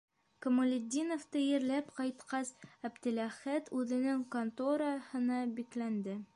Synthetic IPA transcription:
kŏmolʲɪd̪ʲːinoft̪ɤjɘ̆ɾlæpqɑjt̪qɑsæbd̪ɘ̆læχæt̪ʉðɘ̆nɘŋkont̪oɾɑhɤ̆nɑbiklænd̪ɘ

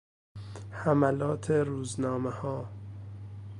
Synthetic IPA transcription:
hæmælɒːt̪ʰeɾuːznɒːmehɒː

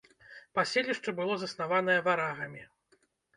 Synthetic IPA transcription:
pasʲelʲiʂt͡ʂɐbɨlˠɔzɐsnavan̪ɐjɐvaɾaɣɐmʲi

